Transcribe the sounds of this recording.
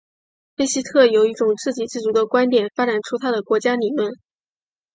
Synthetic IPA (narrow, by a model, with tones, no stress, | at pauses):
xe˥ɪɕi˥t̪ʰɤ˥˩jo˨˩ʊi˥˩ʈ͡ʂʊ˨˩ŋt͡sɹ̩˥˩t͡ɕi˨˩t͡sɻ̩˥˩t͡su˧˥d̪ə˧kwa˥nt̪jɛ˨˩nfa˥ʈ͡ʂa˨˩nʈ͡ʂʰu˥t̪ʰa˥d̪ə˨˩kwɔ˧˥t͡ɕja˥ni˨˩lwə˥˩n